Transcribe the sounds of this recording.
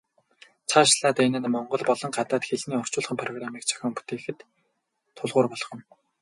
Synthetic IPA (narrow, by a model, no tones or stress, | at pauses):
t͡sʰaːʃɮaːt̪enɘ̆nmɔɴɢɞ̆ɮpɔɮɞ̆ŋɢat̪aːt̪xeɮniːɔw̥t͡ɕʊːɮχə̆mpʰrɔɣramiːk̚t͡sʰœ̥xʲɔːmpu̥t̪eːxɘ̆t̪ʰː | ʊɮʁʊːrpɔɮɞ̆χɞ̆n